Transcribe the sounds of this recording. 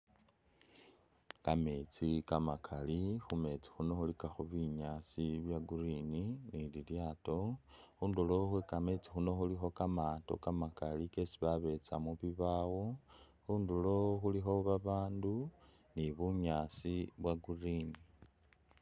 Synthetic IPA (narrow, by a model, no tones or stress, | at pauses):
kame̞t͡sikamakʰalixume̞t͡si̥xuno̞xulikaxuβiɲaːsiβjaɡurininililjaːto̞xuːnduloxwekame̞t͡si̥xuno̞xulixo̞kamato̞̰kamakalike̞siβaβe̞t͡samuβiβawo | xuːndulo̞xulixo̞βaβaːndu | niβuɲaːsiβwaɡurini